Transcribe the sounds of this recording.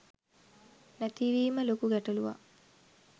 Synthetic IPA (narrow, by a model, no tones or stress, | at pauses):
næt̪iʋiːməlokuɡæʈɐluʋa̰